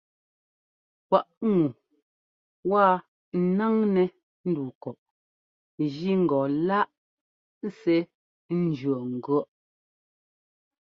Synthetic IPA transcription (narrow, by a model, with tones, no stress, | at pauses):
kwa˨ʔŋu˨ | wa˦˨˦ | na˦ŋnɛ˨ | n̩˦du˨kɔ˨ʔ | ʒi˦ŋ̩˨ɡɔ˨la˦ʔ | sɛ˦ | n̩˦d͡ʒɰɔ˨ŋ̩˨ɡɰɔ˦ʔ